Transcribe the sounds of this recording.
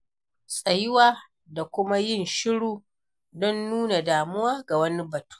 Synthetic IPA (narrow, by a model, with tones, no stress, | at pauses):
sʼɐ˨jɪ˦waː˦ | da˨kʷʊ˦ma˦jɪ˦˨nʃɪ˦ɽuː˦ | dɔ˦nːuː˦na˨daː˨mʊ˦waː˦ɡa˨wɐ˦ni˦bɐ˨tu̥ː˦